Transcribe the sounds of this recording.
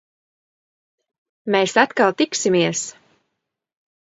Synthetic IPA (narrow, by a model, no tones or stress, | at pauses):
meːsat̪kalˠt̪iksimiɛs